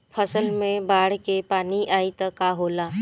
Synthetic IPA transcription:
pʰəsəlmẽbaːɽkepaːniʔaːit̪ɐkːaːɦoːlaː

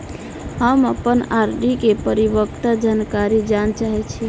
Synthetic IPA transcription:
ɦəməpənaɾɖikepəɾibəkt̪ad͡ʒankaɾid͡ʒant͡ʃaɦɛt͡ʃʰi

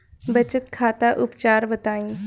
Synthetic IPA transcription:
bət͡ʃət̪kʰaːt̪aʔʊpt͡ʃaːɾbət̪aːĩː

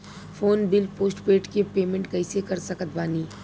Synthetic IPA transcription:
fʰoːnbɪlpoːsʈpeːʈkepeːmẽɳʈkɐɪsekɐɾsɐkət̪̚baːniː

